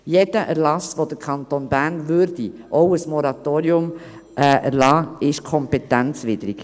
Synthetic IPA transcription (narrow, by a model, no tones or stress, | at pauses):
jɛd̥̪əʔæɾlɑsʋod̪əɾkʰɑnt̪onbæːɾnvøːɾd̥iʔoʊəsmɔɾɑt̪oːɾiʊm | ʔʔæ̰ɾlɑːɪʃkʰɔmpɛt̪ænt͡sʋɪd̪ɾik